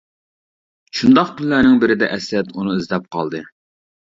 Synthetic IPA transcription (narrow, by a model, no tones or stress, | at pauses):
ʃund̪ɑqk̪ʰylːænɪŋbɪɾɪd̪ɛ̰ʔɛsɛt̪unɨizlɛp̚qʰɑ̰lˠd̪ɨ